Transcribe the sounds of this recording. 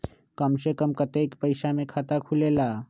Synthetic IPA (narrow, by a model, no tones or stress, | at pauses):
kəmsekəmkət̪ekpəɪʃamẽkʰat̪akʰulelaː